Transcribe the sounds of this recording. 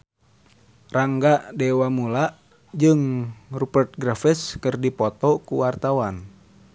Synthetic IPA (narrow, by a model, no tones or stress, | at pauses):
raŋɡaʔdɛwamulaʔ | d͡ʒɨŋrupərt̪̚ɡɾafɛskɨrdipɔt̪ɔkuwart̪awan